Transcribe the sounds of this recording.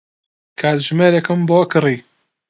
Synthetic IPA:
kʰaːt̪ʒmeːɾekɨmboːkɨriː

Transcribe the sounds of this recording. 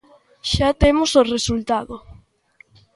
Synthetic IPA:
ʃat̪emosoresult̪aðo

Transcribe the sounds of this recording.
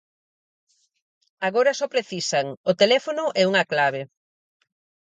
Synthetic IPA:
aɣoɾɐsɔpɾeθisaŋot̪elɛfonʊʔɛuŋɐklaβ̞e

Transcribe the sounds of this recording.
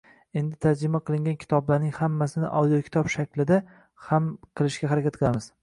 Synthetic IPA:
e̞nd̪ɪt̪ʰad͡ʒɾɪmaqʰɨlˠɪŋɡʲankʲʰɪ̥t̪ʰɒblaɾnɪŋhamːasɪnɪʔa̰wd̪ijokʰʲɪ̥t̪ʰɒbʃakʲlɪd̪a | hamqʰɨlˠɪʃɡʲaɦaɾakʲat̪̚qʰɨlˠamɪz̥

